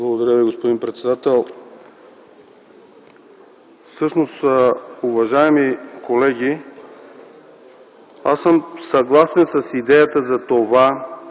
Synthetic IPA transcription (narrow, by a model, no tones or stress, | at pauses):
blˠɡod̪ɐɾʲjəviɡospod̪inpɾɛt̪sɛd̪at̪ɛlˠ | fsɤʃnosuvɐʒaɛmikolɛɡʲi | asəmsɐɡlˠasɛnsɐsid̪ɛjət̪əzɐt̪ova